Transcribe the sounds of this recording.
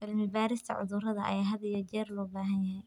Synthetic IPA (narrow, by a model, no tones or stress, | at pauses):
bɐlmɪbaːɾɪst̪ʰɐ̰ʕʊ̰ðʊrɐðɐʔɐ̰jaːɦɐðɐjɛd͡ʒɛːrlɔːbaːɦɐnjɐɦɛj